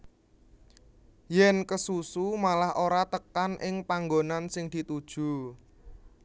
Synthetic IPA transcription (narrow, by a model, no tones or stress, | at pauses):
jɛnkəsusumalahʔoɾat̪əkanʔɪŋpaŋɡonansɪŋd̪̥i̤t̪ud̥ʒ̥ṳ